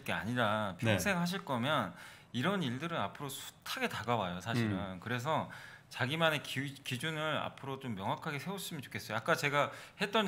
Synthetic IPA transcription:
p̚k͈ea̰ɲiɾapjʌŋsʰe̞ŋɦaɕ̬ʰiɭk͈ʌmjʌn | iɾʌniɭdɯɾɯnapʰɯɾosʰu̥tʰaɡe̞taɡawajosʰaɕʰiɾɯnkɯɾe̞s̬ʰʌ | t͡ɕaɡimane̞kkid͡ʑunɯɾa̰pʰɯɾot͡ɕomːjʌŋɦakʰaɡe̞sʰeos͈ɯmʌnt͡ɕo̥kʰe̞s͈ʌjoak͈at͡ɕe̞ɡahe̞t͈ʌn

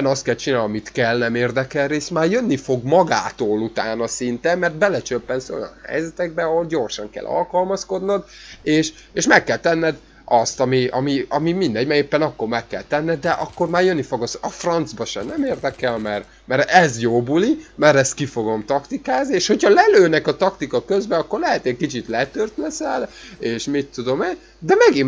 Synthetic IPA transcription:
nɒst̪kɛlt͡ʃinaːlɒmit̪kɛlnɛmeːrd̪ɛkɛlreːst̪maːrjønːifo̞ɡmɒɡaːt̪oːlut̪aːnɒsint̪ɛmːɛrt̪bɛlɛt͡ʃøpːɛnso̞̰jɒ̰nhɛ̰jzɛt̪ɛɡ̚bɛɒɦo̞lɟo̞rʃɒŋkɛ̰lʔɒ̰lkɒlmɒsko̞d̪nɒd̪eːʃ | eːʃmɛkːɛlt̪ɛnːɛd̪ | ʔɒst̪ɒmiɒmiɒmimind̪ɛɲɟmɛeːpːɛnɒkːo̞rmɛkːɛ̰lt̪ɛnːɛd̪̚d̪ɛʔɒkːo̞rmaːrjønːifo̞ɡosɒfrɒnd̪zbɒʃɛ̰nnɛmeːrd̪ɛkɛlmɛr | mɛɾɛzjoːbulimɛɾɛst̪̚kifo̞ɡo̞mt̪ɒkt̪ikaːznieːʃho̞chɒlɛløːnɛkɒt̪ɒkt̪ikɒkø̞zbɛɒkːorlɛɦɛt̪eckit͡ʃit̪lɛt̪ørt̪lɛsɛleːʃmit̪ːud̪o̞meːn | d̪ɛmɛɡim

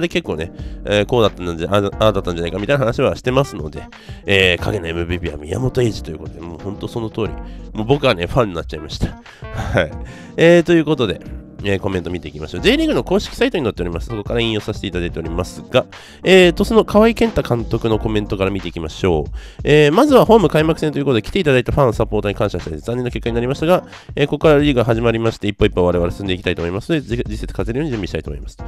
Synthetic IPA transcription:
d̪eke̞kːo̞ːne̞eko̞ːd̪at̪ːãnd̪ãaad̪at̪ːãnɲd͡ʑanaikamit̪ainaɦanaɕiβaɕi̥t̪e̞masɨno̞̰d̪e̞ | eːkʰa̰ɡe̞noe̞mɯ̟bʲiːbʲiːa̰mʲia̰mo̞t̪oe̞ːʑi̥t̪o̞jɯ̟̰ːko̞t̪o̞d̪e̞mo̰ːhõ̞nt̪o̞so̞no̞t̪o̞ːɾʲḭmo̞ːbo̞kɯ̟βane̞ɸãɲ̟ːinat͡ɕ̚ːt͡ɕaimaɕi̥t̪ḁ | haai | eːt̪o̞jɯ̟ːkot̪o̞d̪e̞̰ | eːko̞mẽ̞nt̪o̞mʲit̪e̞ikʲimaɕo̞ːze̞ːɾʲiŋɡɯ̟no̞ko̞ːɕi̥kʲi̥sait̪o̞ɲ̟inot̪ːeo̞ɾʲimasɨ̥so̞ko̞kaɾaĩjo̞ːsaɕi̥t̪e̞it̪ad̪ait̪e̞o̞ɾʲimasɨɡa | eːt̪o̞sɨno̞kʰaβaikẽ̞nt̪akãnt̪o̞kɯ̟no̞ko̞mẽ̞nt̪o̞kaɾamʲit̪eikʲimaɕo̞̰ːeːmazɨβaho̞ːmɯ̟kaimakɯ̟sent̪ojɯkot̪oeki̥t̪e̞it̪ad̪ait̪aɸãɰ̃sapo̞ːt̪oɲ̟ikãɕaɕit̪aizãɲːenokʲe̞kːaɲinaɾʲimaɕi̥t̪aɡa | eːko̞kkːaɾaɾʲiːɡɦaʑimaɾʲimaɕi̥t̪e̞ipːoipːaβaɾe̞βaɾesɨsɨnd̪e̞ikʲit̪ait̪oːmoimasɨnod̪ed͡ʑisːe̞t͡sɨ̥kʰat̪eɾjoːɲid͡ʑɨ̃mbʲiɕit̪ait̪omo̰imasɨ̥

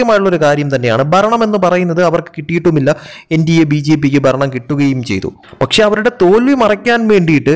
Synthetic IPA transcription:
ɐmaːjuɭːɐo̞ɾukaːɾjɐmt̪ɐnːe̞jaːɳɨbʱɐɾɐɳɐme̞nːɨpɐrɐjunːɐðɨɐʋɐrkɨ̥kiʈːijiʈːumilːɐendijebiːd͡ʑe̞ːp̬ikʲːɨbʱɐɾɐɳɐmkiʈːuɣɐjumt͡ɕe̞jt̪ṵ | pɐkʂe̞ɐʋɐɾuɽe̞t̪o̞ːlʋimɐrɐkʲːaːnʋe̞ːɳɖijiʈːɨ

